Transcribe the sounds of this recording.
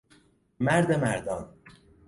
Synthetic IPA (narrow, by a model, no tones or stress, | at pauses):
mæɾd̪emæɾd̪ɒːn